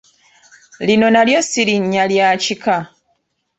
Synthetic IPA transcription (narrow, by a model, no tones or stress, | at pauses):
lino̞naljo̞siɾiɲːaljaːcika